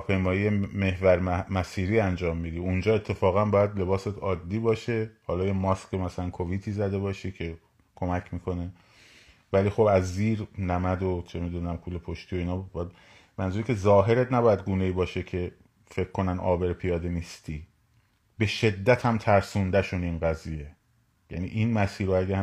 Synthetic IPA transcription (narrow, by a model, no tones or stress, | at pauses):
ɒpʰe̞jmɒːjijeme̞hvæɾmæsiːɾiːænd͡ʒɒːmːiːd̪iund͡ʒɒːe̞t̪ʰːe̞fɒːɣæmbɒːjæd̪le̞bɒːse̞t̪ʰɒːd̪ːiːbɒːʃe̞hɒːlɒːjemɒːskemæsælænkʰoviːt̪ʰiːzæd̪e̞βɒːʃicʰe̞ | kʰo̞mæcʰmiːkʰo̞ne̞ | væliːxo̞bæzːiːɾnæmæd̪ot͡ʃʰemiːd̪uːnæmkʰuːlepʰoʃt̪ʰijoiːnɒːb | mænzuɾikʲʰe̞zɒːɦe̞ɾet̪næbɒːjæd̪̚ɡuːne̞iːbɒːʃecʰe̞ | fe̞kʰːo̞nænɒ̰ːbe̞ɾpʰijɒːd̪e̞niːst̪ʰiː | be̞ʃe̞d̪ːæt̪ʰhæmt̪ʰæɾsund̪æʃuniːnɡæzije̞ | jæniʔinmæsiːɾoæɡæ